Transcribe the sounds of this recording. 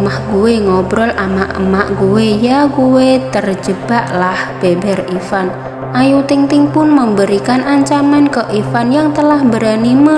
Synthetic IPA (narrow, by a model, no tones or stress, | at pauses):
mahɡuweŋɔbɾɔlamaʔə̰maʔɡuwejaɡuwet̪ərd͡ʒəb̥aʔlahb̥ebɛrifan | ʔajut̪ɪŋt̪ɪŋpʊnməmbəɾikanʔaɲt͡ʃamankəʔifanjaŋt̪əlahbəɾanimə